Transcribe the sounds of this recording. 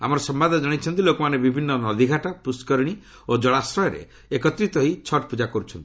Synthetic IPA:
a̰mɔɾɔsɔmbad̪ʱɔd͡ʒɔɽ̃it͡ʃʰɔnt̪ilokɔmanebibʱinːɔnɔd̪ʱiɡʱaʈapuskɔɾɽ̃i | od͡ʒɔɭasɾɔjɔɾḛ | ekɔt̪ɾit̪ɔɦit͡ʃʰɔʈpud͡ʒakɔɾut͡ʃʰɔnt̪i̥

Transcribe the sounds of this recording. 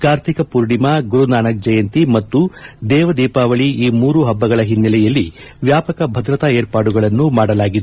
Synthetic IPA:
kaːɾt̪ʰikɐpuɾɽimaɡuɾunaːnɐk̚d͡ʒɐjɐnt̪imɐt̪ːud̪ɛːʋɐd̪iːpaːʋɐɭiiːmuːɾuɦɐbːɐɡɐɭɐɦinːɐlɛjɐlːiʋjaːpɐkɐbʱɐd̪ɾɐt̪aeːɾpaːɽuɡɐɭɐnːumaːɽɐlaːɡid̪u

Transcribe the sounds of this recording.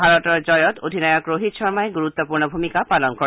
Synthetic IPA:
bʱaɾɔt̪ɔɾd͡ʒɔjɔt̪od̪ʱinɔjɔkɾoɦit̪ʃɔɾmaeɡuɾut̪ːɔpuɾɳɔbʱumikapalɔnkɔ

